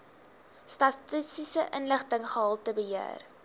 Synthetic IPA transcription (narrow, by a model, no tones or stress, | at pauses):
stɐtisisəʔənləχtəŋχəɦɑlˠtəbəɦiər